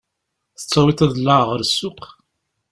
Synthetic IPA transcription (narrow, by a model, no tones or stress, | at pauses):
θə̥t͡sːæwiθæðəlːaʕʁəɾsːʊq